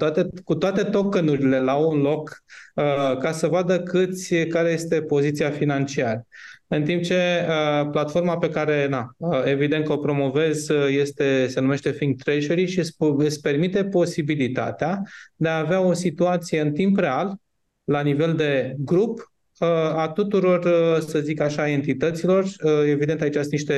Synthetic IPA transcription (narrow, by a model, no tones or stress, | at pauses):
t̪at̪ekut̪oat̪e̞t̪o̞kənuɾile̞lawunlo̞kəkasəvad̪əkɨt̪sʲkaɾe̞je̞st̪e̞po̞zit̪siafinant͡ʃiaɾəɨnt̪imp̚t͡ʃe̞əplat̪fo̞rmape̞kaɾe̞naəe̞vid̪e̞nt̪kəo̞pɾo̞mo̞ve̞zje̞st̪e̞se̞nume̞ʃt̪e̞fiŋɡ̚t̪ɾeʃeɾiʃisɨspe̞rmit̪e̞po̞sibilit̪a̰t̪ead̪e̞aːveao̞sit̪uat̪sije̞ɨnt̪impre̞alː | anive̞ld̪e̞ɡɾup | əat̪ut̪uɾo̞rsəzikaʃaːe̞nt̪it̪ət̪silo̞rəe̞vid̪e̞nt̪ait͡ʃast̪niʃt̪e̞